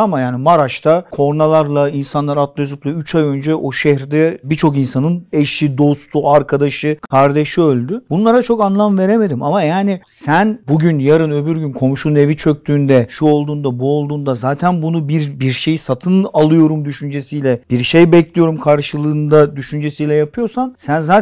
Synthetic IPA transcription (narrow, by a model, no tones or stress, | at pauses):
amajaːnimaɾaʃt̪ʰakʰo̞ɾnalˠaɾlˠainsanlˠaɾat̪lˠøzuplˠayt͡ʃʰajø̞nd͡ʒɛʔo̞ʃɛçɾd̪ɛbit͡ʃʰo̞kinsanɯneʃid̪o̞st̪ʰuaɾkʰad̪aʃɯkʰaɾd̪e̞ʃiølʲd̪ybunlˠaɾat͡ʃʰo̞kanlˠamve̞ɾe̞me̞d̪imamajaːni | sænbuɟynjaɾɯnøβyɾɟynkʰo̞mʃune̞vit͡ʃʰø̞k̚ʲt̪ʰyːnd̪ɛʃuo̞lˠd̪uːnd̪abuo̞lˠd̪uːnd̪azaːt̪ʰænbunubiɾbiɾʃe̞jisat̪ʰɯnalˠɯjo̞ɾumd̪yʃynd͡ʒesijlʲɛb̥iɾʃejbɛclʲijo̞ɾumkʰaɾʃɯlˠɯːnd̪ad̪yʃynd͡ʒe̞sijlʲɛjapʰɯjo̞ɾsansænzaː